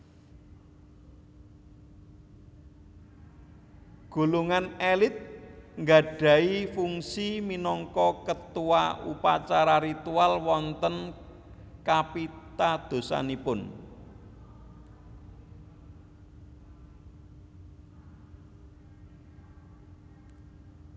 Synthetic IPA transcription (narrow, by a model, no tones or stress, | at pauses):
ɡ̥o̤luŋanelɪt̪̚ŋɡa̤ɖ̥ä̤ifuŋsiminɔŋkɔkət̪uwa̰upa̰t͡ʃaɾaɾit̪ualwɔnt̪ən | kapit̪ad̪̥o̤sa̰nipʊn